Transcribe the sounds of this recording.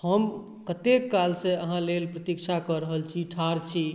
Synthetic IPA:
həm | kət̪ekːalsẽəɦãlelpɾət̪ikt͡ʃʰakəɾəɦəlt͡ʃʰiʈʰaɾt͡ʃʰi

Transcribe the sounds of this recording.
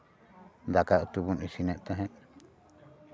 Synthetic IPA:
nd̪akaot̪uβunĩsinẽʔt̪eɦẽ

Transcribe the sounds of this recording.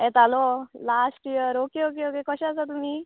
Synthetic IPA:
ɛ̃t̪alolasʈijəɾokeok̬eokekəɕãt͡sat̪umiː

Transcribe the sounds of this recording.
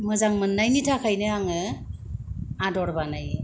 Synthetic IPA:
mɯzaŋmɯnːajnitʰakʰajnɯaŋɯ | adɔɾbanaj

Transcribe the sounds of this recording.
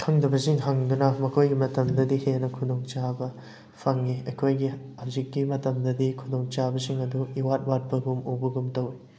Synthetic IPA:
kʰɐŋdɐbɐsiŋɦɐŋdunɐmɐkʰojɡimɐtɐmdɐdihenɐkʰudoŋt͡ʃabɐ | pʰɐŋiɐjkʰojɡihawzikːimɐtɐmdɐdikʰudoŋt͡ʃabɐsiŋɐduiwat̚wat̚pɐɡumowbɐɡumtɐwi

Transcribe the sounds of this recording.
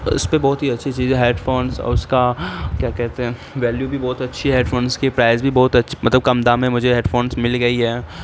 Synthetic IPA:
ʊ̰spebɔːt̪ɦiɐtːʃʰit͡ʃiːzɛ̃ɦeːɖfoːnsɔ̰ːɾʊskakjaːkɛɦt̪eɦɛ̃ | ʋɛːljubʱibɔːt̪ɐtːʃʰiɦeːɖfoːnskepɾaːɪzbʱibɔːt̪ɐtːʃʰmɐt̪ləb̚kɐmd̪amẽmʊd͡ʒʱeɦeːɖfoːnsmɪlɡɐiɦɛː

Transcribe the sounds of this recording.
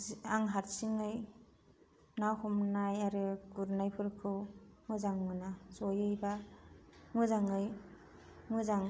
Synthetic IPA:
aŋɦaɾsiŋɯj | nawhɔmnajaɾɯkuɾnajpʰɯɾkʰɯwŋɯzaŋmɯnazɔjɯjba | ŋɯzaŋɯj | ŋɯzaŋ

